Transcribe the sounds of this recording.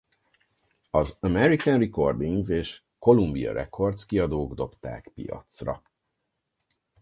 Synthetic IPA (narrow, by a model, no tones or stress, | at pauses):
ɒzɒmɛɾikɛnriko̞rd̪iŋɡzeːʃ | ko̞lumbiɒ̰ɾʔɛ̰kʰo̞rt̪skiɒd̪oːɡd̪o̞pt̪a̰ːkpḭjɒ̰t̪srɒ̰